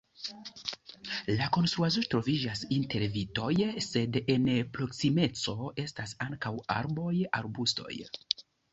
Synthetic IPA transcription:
lako̞nst̪ɾuazutɾo̞vid͡ʒasinte̞ɾvito̞jse̞denpɾo̞ksime̞t͡so̞e̞stasaŋkawa̰ɾbo̞jaɾbusto̞̰j

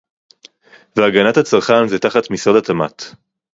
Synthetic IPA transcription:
veaɡanathat͡saʁχanzetaχatmisodatamat

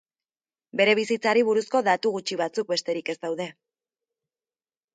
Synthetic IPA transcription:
be̞ɾe̞β̞isit͡saɾiβ̞uɾusko̞ðat̪uɣut͡ʃiβat͡suk̚be̞st̪e̞ɾike̞zt̪awðe̞

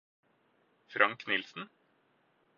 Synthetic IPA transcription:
fɾɑŋknɪlsn̩

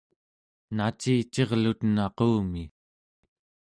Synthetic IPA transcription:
nat͡ʃiːt͡ʃe̞ʁlut̪nɑquːmi

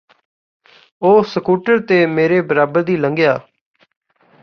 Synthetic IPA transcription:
oːsəkuːʈəɾt̪eːmeːɾeːbəɾaːbəɾd̪iːləŋɡɪjaː

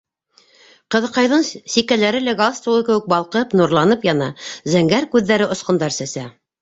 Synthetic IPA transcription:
qɤ̆ðqɑjðɤɴsikælæɾɘlæɡalˠst̪uwɤkɘ̆wɘk̚bɑlˠqɤpnuɾlˠɑnɤpjɑnɑzæŋɡæɾkʉðːæɾɘʔŏsqɤ̆nd̪ɑɾsæsæ

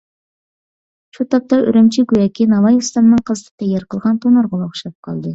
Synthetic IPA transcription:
ʃut̪ʰɑp̚t̪ɑʔø̰ɾemt͡ʃʰiɡʲyjɛkʲinɑvɑjefst̪ɑnnɨŋqʰəzɨt̪ʰɨ̥t̪ʰɛjːɑɾqʰəlˠʁɑnt̪ʰonɑɾʁɑlˠoχʃɑp̚qʰɑ̰lˠd̪ɨ

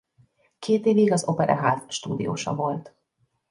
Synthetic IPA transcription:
kʰeːt̪eːviɡɒzo̞pɛɾʔɒ̰ɦaːt̪ʃt̪uːd̪ḭjo̰ːʃɒ̰vo̞lt̪

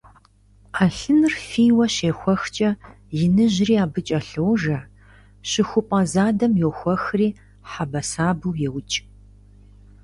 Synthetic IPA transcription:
aːɬɨnɨrfiːwɐɕeːxʷɔxt͡ʃʼɐ | jɪnɨʑriːaːbɨt͡ʃʼɐɬowʒɐ | ɕɪxʷʊpʼɐzaːdɐmjoxʷɔxriː | ħabɐsaːbɨwjɛwt͡ʃʼ

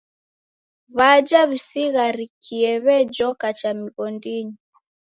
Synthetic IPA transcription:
βad͡ʒaβisiɣaɾikʰiɛβɛd͡ʒɔkat͡ʃamiɣɔndiɲi

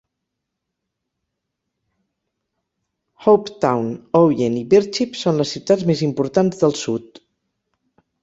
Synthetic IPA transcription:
howpt̪awnowjeniβiɾt͡ʃipsonləsiwt̪add͡zmezimpuɾt̪anzðəlˠsut̪

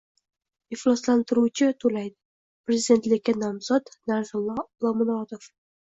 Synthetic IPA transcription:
ɪflˠɒslant̪ɪɾuwt͡ʃʰɪt̪ʰolajd̪ɪ̥ | pɾezɪd̪e̞nt̪lɪkʲːanɒmzɒt̪naɾzʊlːɒlˠɒmɪnɒt̪of

